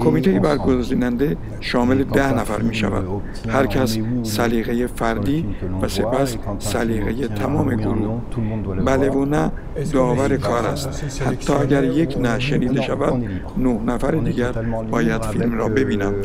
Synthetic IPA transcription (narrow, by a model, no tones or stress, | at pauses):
kʰo̞miːt̪ʰejebæɾɡo̞ziːnænd̪e̞ | ʃɒːme̞le̞d̪æhnæfæ̰ɾmiːʃæ̰væ̰d̪̥ | hæɾcʰæssæliːɣe̞jefæɾd̪iːvæse̞pʰæssæliːɣejet̪ʰæmɒːme̞ɡoɾuːhbæle̞vonæ | d̪ɒːvæɾe̞kʰɒːɾæst̪ | hæt̪ʰːɒːæɟæɾje̞kʰnæʃe̞niːd̪e̞ʃævæd̪ | nohnæfæɾed̪iːɟæɾbɒːjæd̪̥filmɾɒ̰ːbe̞biːnæm